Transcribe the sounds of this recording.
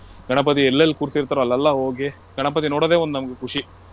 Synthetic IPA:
ɡɐɳɐpɐt̪̬iɛlːɐlːikuːɾsiɾt̪aːɾoɐlːɛlːɐɦoːɡi | ɡɐɳɐpɐt̪̬inoːɽod̪eːond̪unɐmɐɡekʰuʂi

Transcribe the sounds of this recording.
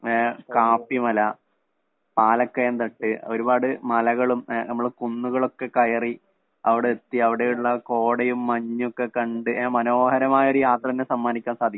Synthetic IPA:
kaːpːimɐlɐ | paːlɐkːɐjɐnd̪ɐʈːɨo̞ɾubaːɽɨmɐlɐɣɐɭumnɐmːɐɭkunːuɣɐɭo̞kːe̞kɐjɐri | ɐʋiɽeet̪ːiɐʋiɽe̞juɭːɐko̞ːɽɐjumːɐɲːokːe̞kɐɳɖɨmɐno̞ːhɐɾɐmaːjɐo̞ɾujaːt̪rɐðinːesɐmːaːnikʲːaːnsaːd̪ʱikː

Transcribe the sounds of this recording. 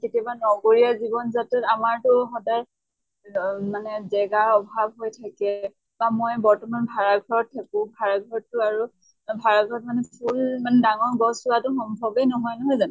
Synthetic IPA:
ketijɔbanɔɡoɹiazibɔnzatɛtamaɹtʊxɔdaɹ | manɛzɛɡaɔbʱab̚ɦojtʰakɛ | bamɔjbɔɹtɔmanbʱaɹaɡʱɔɹɔt̚tʰːakʊ̃bʱaɹaɡʱɔɹɔtːʊaɹu | bʱaɹaɡʱɔɹɔtmanɛpʰulmanɛdaŋɔɹɡɔsuatʊxɔmbʱɔbenɔɦɔjnɔɦɔjzan

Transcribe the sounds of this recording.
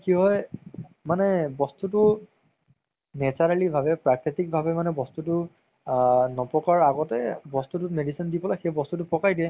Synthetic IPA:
kiɦɔjmanɛbɔstutʊ | nɛt͡ʃaɹalibʱabɛpɹakɹitik̚bʱabɛmanɛbɔstutʊ | nɔpɔkaɹaɡɔtɛbɔstutʊmedisindipɔlajxejbɔstutʊpɔkajdiɛ

